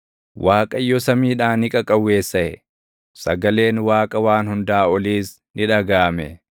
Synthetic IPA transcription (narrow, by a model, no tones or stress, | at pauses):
waːkʼɐjːɔsɐmiːᶑaːnɪkʼɐkʼɐwːe̞ːsːɐʔɛ | sɐɡɐle̞ːnwaːkʼɐwaːnhʊnd̪aːɔliːs | nɪᶑɐɡaːmɛ